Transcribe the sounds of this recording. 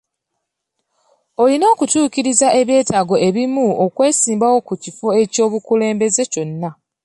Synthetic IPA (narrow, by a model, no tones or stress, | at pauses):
o̞lino̞ːkutuːciɾizaʔe̞βje̞ːtaːɡo̞e̞βimuokwe̞ːsiːmbawo̞kucifoe̞co̞ːβukule̞ːmbe̞ze̞co̞nːa